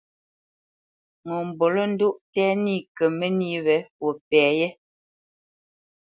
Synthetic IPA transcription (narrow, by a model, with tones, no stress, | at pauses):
ŋo˨m̩˨bo˨lɔ˦n̩˦du˦ʔtɛː˦ni˦˨kə˨me˦ni˦wɛ˨˦wo˨pɛː˨jɛ˦